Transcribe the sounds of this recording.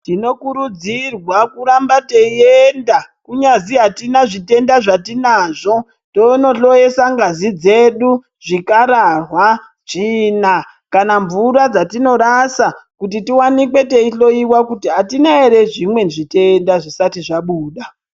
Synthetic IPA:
tino̞kuɾud͡zirwakuɾambateiendakuɲaziɦatinaʐite̞ndaʐatinaːʐo̞ | tono̞ɬo̞je̞saŋɡazid͡ze̞ɗu | ʐikaɾarwa | ʐ̥ina | kanaɱvuɾad͡zatino̞ɾasakut̬itiwanikwe̞te̞iɬo̞iwakutiɦatinaeɾe̞ʐimwe̞nʐiteːndaʐisatiʐaɓuːɗa

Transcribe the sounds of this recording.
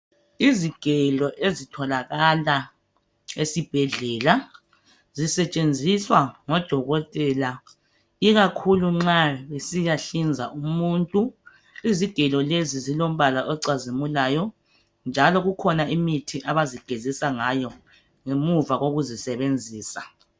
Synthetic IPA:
iziɡ̥ʱɛlɔʔezitʰɔlaɣala | esib̥ʱɛɮɛːla | zisɛt͡ʃʼend͡zʱiswaŋɔd̥ʱɔɣɔtʼɛla | iɣakʰuluŋ͡ǁaβesijaɬind͡zʱaʔumuntʼu | iziɡ̥ʱɛlɔlezizilom̩βalaʔɔǀazimulaːjɔ | nd͡ʒʱalɔɣukʰɔnaimitʰiʔaβaziɡ̥ʱezisaŋajɔ | ŋemuvaɣoɣuzisɛβend͡zʱiːsa

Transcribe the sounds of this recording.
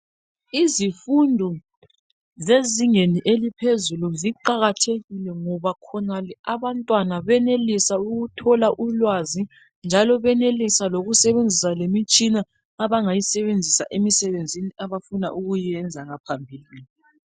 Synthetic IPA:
izifundʱɔ | zeziŋeniʔelipʰezuluziǃaɣatʰeɣilɛŋɔβakʰɔnalɛaβantʼwanaβɛnelisauɣutʰɔlaʔulwazi | nd͡ʒʱalɔβɛnelisaloɣusɛβend͡zʱisalemit͡ʃʼinaː | βaŋajisɛβend͡zʱisa̰ʔemisɛβend͡zʱiniʔaβafuna̰ʔuɣujɛnd͡zʱaŋapʰambʱiːli

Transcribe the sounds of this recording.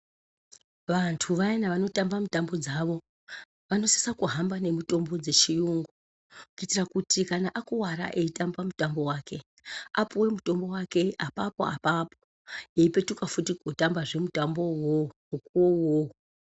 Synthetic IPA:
ʋantʰuʋainaʋano̞tambamutambo̞d͡zaʋo̞ | ʋano̞si̥sakuɦambane̞muto̞mbo̞d͡ze̞t͡ʃijuŋɡu | kukitirakutʰikanaʔakuwaɾa̰ʔe̞itambamutambo̞waːke̞ | apuwe̞muto̞mbo̞wake̞apapo̞̰a̰papo | eipe̞tukafutiɡʱotambaʐe̞mutambo̞womukuwowo

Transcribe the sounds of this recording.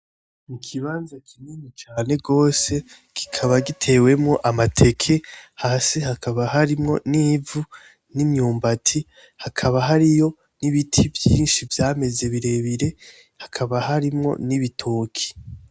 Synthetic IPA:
mukʰiβaːnzakʰininit͡ʃaːne̞ɡo̞ːse̞ | ki̥kʰaβaɡitʰe̞ːwe̞mŋo̞ʔamatʰe̞kʰe̞haːsehakʰaβahaɾimŋo̞̰nivu | nimɲuːmbatʰi | hakʰaβaɦaɾijo̞ | niβitʰivjiːnʃivjaːme̞ze̞βiɾe̞βiɾe̞ | hakʰaβahaɾimŋo̞̰niβitʰoːkʰi̥

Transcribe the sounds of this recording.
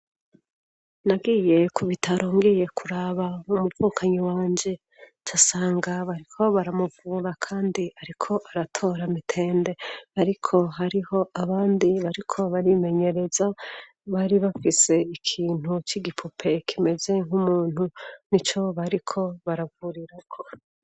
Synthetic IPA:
naɡije̞kuβitʰaɾʔoːŋɡeje̞kʰuɾaβaumuvuːkʰaɲiwaːɲd͡ʒe̞ | t͡ʃasaːŋɡaβaɾikʰo̞βaɾamuvuːɾakʰaːndiaɾikʰo̞ʔaɾatʰo̞ːɾamitʰe̞ːnde̞aɾikʰo̞ɦaɾiho̞aβaːndiβaɾikʰo̞βaɾime̞ɲe̞ɾe̞za | βaɾiβafise̞ikʰiːn̥hut͡ʃiɡipʰupʰe̞kʰime̞ze̞ŋ̥umuːn̥hunit͡ʃo̞βaɾikʰo̞βaɾavuɾiɾakʰo̞

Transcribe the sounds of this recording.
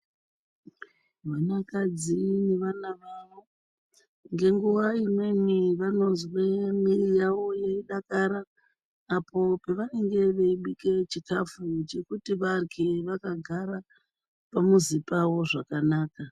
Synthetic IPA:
ʋanakad͡zineʋanaʋaʋo̞ | ŋɡe̞ŋɡuwaime̞miʋano̞nzwemirijaʋo̞jeiɗakaɾaː | po̞peʋane̞ŋɡe̞ʋeiɓike̞t͡ʃikafut͡ʃe̞kutiʋarikʰeʋakaɡʱaɾa | pamuzipawo̞ʐakanaːka

